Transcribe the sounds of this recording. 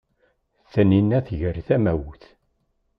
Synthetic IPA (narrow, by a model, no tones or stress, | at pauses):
θəninːæθʝəɾθæmæwθ